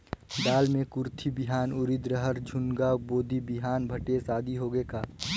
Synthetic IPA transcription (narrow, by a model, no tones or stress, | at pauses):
ɖaːlmẽkʊɾt̪ʰibɪɦaːnʊɾɪd̪ɾəɦəɾd͡ʒʱʊnɡaboːd̪ʱibiɦaːnbʱəʈesaːd̪ʱiɦoɡekaː